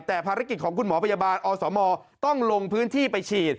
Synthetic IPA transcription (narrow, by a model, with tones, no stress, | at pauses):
t̪ɛː˨˩pʰaː˧ɾa˦˥ki˨˩t̪̚kʰɔː˩˦kʰu˧nmɔː˩˦pʰa˧jaː˧baː˧nʔɔː˧sɔː˩˦mɔː˧t̪ɔ˥˩ŋlo˧ŋpʰɯː˦˥nt̪ʰiː˥˩pa˧jt͡ɕʰiː˨˩t̪̚